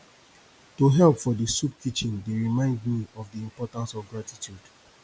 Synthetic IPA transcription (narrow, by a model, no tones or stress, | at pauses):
toɦɛlpfɔdisup̚kit͡ʃĩndeɹimãɪ̃ndmiɔvdiĩmpɔtãnsɔvɡɹatitjud̥